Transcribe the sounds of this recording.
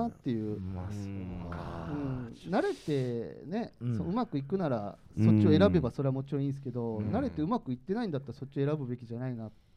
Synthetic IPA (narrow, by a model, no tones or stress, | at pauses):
at̪ːe̞jɯ̟ː | ɯ̟̃ɴnaɾe̞t̪e̞ne̞soɯ̟makɯ̟ikɯ̟naɾa | so̞t͡ɕːio̞e̞ɾabe̞baso̞ɾe̞amo̞t͡ɕiɾõĩːsɨ̥ke̞d̪o̞naɾe̞t̪e̞ɯ̟makɯ̟it̪ːe̞naĩnd̪at̪ːaɾaso̞t͡ɕːio̞e̞ɾabɯ̟be̞kʲiʑanainat̪